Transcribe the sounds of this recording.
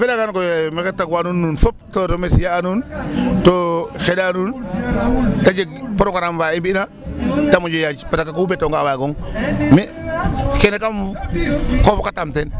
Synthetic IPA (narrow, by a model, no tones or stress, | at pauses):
felakankojmeketakwanunːunfop̚toɾomesijaːnuntoxedanun | tad͡ʒeɡpoɾokaɾamvaibiːna | tamod͡ʒojad͡ʒpatakakuubetoŋɡawaɡoŋmi | kenekam | kofokatamten